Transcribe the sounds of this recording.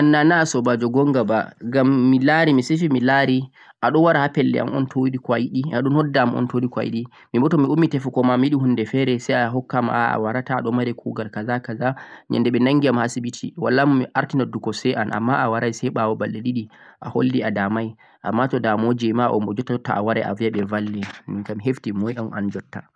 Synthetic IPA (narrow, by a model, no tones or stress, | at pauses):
ʔanːanaːsɔbad͡ʒɔɡɔŋɡabaɡamːilaɾimisefimilaɾi | ʔaɗɔnwaɾahapɛlːɛ̰ʔa̰mɔ̰ntʰoɾikwajiɗiaɗɔnhɔdːamɔ̰ntoɾikwa̰jḭɗi | mibɔtɔmiumːitɛfukɔmamjiɗihundɛfɛɾɛsɛjaɦɔkːama̰a̰waɾataːɗɔmaɾɛkʰuɡalkazakazaɲɛ̰ndɛɓɛnaŋɡiamhasibitʰiwalːamʔaɾtinadːukɔsɛanʔa̰mːaʔawaɾajsɛjɓawɔbalːɛɗiɗi | ʔaho̰lːiadamaj | ʔa̰mːatɔdamod͡ʒɛmaʔɔ̰mbɔd͡ʒɔtːatːa̰awaɾaja̰viaɓɛvalːɛmiŋkamiɦeftimɔjɔma̰nd͡ʒɔtːa